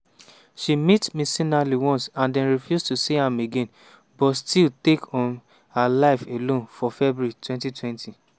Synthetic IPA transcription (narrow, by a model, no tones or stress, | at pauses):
ʃimitmĩsĩnaliwɔ̃nsãndɛ̃nɹifjustusihameɡẽn | bɔtstiltekʰɔ̃n | halaɪfelõnfɔfɛbuitwɛ̃ntitwɛ̃ntʰi